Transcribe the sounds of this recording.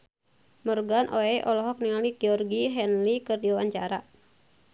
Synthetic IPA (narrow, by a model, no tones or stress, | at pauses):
mɔrɡanʔoɛʔɔlɔɦɔk̚niŋaliɡɛɔrɡiɦɛnlikɨrdiwawaɲt͡ʃaɾa